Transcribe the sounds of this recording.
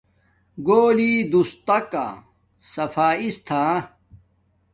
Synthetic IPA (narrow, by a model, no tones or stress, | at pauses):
ɡoːlid̪ust̪ɐka̰ | sɐfaːist̪ʰaː